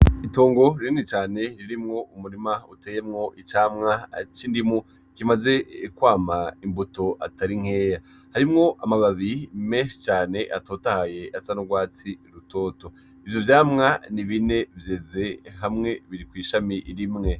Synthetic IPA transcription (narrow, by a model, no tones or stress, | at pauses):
ito̞ːŋɡo̞ɾiɾinit͡ʃaːne̞ɾiɾimŋo̞umuɾimauteːjemŋo̞ʔit͡ʃaːmŋat͡ʃiːndimu | kimaze̞kwaːmaimbuto̞ʔataɾiŋ̥e̞ːja | haɾimŋo̞ʔamaβaβimeːnʃi̥t͡ʃaːne̞ʔatoːtahaje̞ʔasanoɡwaːt͡siɾuto̞ːto̞ | ivjovjaːmŋaniβine̞vjeze̞ɦamŋe̞βiɾikwiːʃamiʔɾimŋe̞